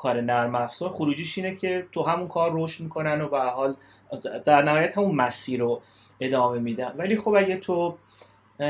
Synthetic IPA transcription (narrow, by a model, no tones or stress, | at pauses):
kʰɒːɾenæɾmæfsɔɾxoɾuːd͡ʒiːʃiːnecʰe̞t̪ʰoɦæmunkʰɒːɾːoːʃt̪miːkʰo̞nænobehæɾɦɒːl | d̪̥æɾnæɦɒːjæt̪hæmunmæsiːɾoe̞d̪ɒːme̞miːd̪ænvæliːxobæɟæt̪ʰo